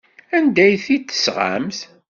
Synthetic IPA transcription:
ænd̪æjθit͡s̪ːə̥sʁa̰mθ

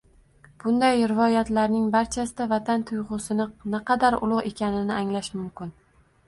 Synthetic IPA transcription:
b̥ʊnd̪ajɾɪvɒjat̪laɾnɪŋbaɾt͡ʃʰasɪd̪avat̪ʰant̪ʰʊjʁʊsɪnɪnɪqʰɑd̪aɾʊ̰lˠʊʁe̞kʲʰanɪnɪaŋlaʃmʊmkʲɪn

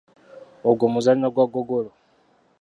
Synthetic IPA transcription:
oɡomuzannaɡwaɡoɡolo

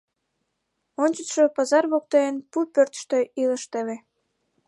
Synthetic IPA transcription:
onʲt͡ɕət̪ʃopɑzɑrβok̚t̪ejenpupørt̪ə̥ʃt̪øʔiləʃt̪əβe

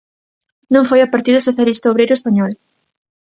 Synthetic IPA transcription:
nõŋfojɐpaɾt̪iðɐsoθjalist̪aoβɾejɾʊespaɲɔl

